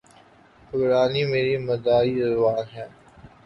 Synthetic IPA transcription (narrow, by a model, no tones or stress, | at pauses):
pʊɾaːnimeːɾiməd̪aːiɾɐʋaːnɦɛ̃ː